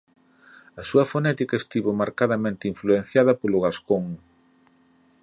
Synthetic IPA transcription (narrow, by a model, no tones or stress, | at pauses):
ɐsuɐfonɛt̪ikɐest̪iβomaɾkaðɐmẽnt̪ɪiɱfluen̟θjaðɐpolʊɣaskoŋ